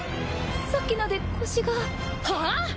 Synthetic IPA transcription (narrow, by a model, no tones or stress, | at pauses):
sakːinad̪ekʰoɕiɡa | ha